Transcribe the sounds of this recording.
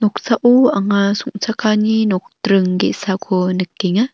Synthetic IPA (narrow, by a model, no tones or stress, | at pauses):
nɔk̚saʔuaŋasuŋsʰakʰaninɔk̚tɾɯŋɡeʔsakʰɔnɯk̚ːeŋa